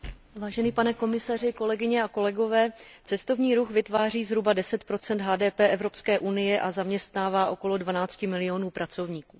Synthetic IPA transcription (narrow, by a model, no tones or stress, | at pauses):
vaːʒɛniːpanɛko̞mɪsar̝ɪko̞lɛɡɪɲɛako̞lɛɡo̞vɛːt͡sɛst̪o̞vɲiːɾuxvɪt̪vaːr̝iːzɦɾubadɛsɛt̪pɾo̞t͡sɛnt̪ɦaːdɛːpɛːʔɛvɾo̞pskɛːʔunɪjɛʔazamɲɛst̪naːvaːʔo̞ko̞lo̞dvanaːt͡scɪmɪlɪjo̞nuːpɾʔat͡so̞vɲiːkuː